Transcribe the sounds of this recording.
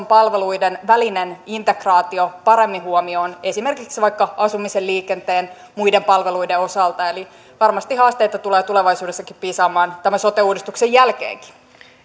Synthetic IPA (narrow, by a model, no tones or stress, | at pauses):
mpɑlʋe̞luidenʋælinenint̪e̞krɑːt̪io̞pɑɾe̞mːiɦuomioːne̞sime̞rkiksiʋɑikːɑɑsumiselliːke̞nt̪eːn | mujdempɑlʋe̞luideosɑlt̪ɑeli | ʋɑrmɑst̪ihɦɑːst̪ejt̪ɑt̪uleːt̪uleʋɑjsuːdesːɑkippiːsɑːmɑːnt̪æmæso̞t̪euːdist̪ukse̞jælkḛːŋki̥